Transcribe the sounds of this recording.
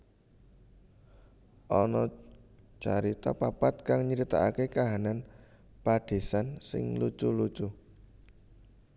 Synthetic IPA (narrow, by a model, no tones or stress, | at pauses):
ʔɔnɔ | t͡ʃaɾit̪a̰papat̪̚kaŋɲiɾit̪a̰akekaɦanan | paɖ̥e̤sansɪ̰ŋlu̥t͡ʃulu̥t͡ʃu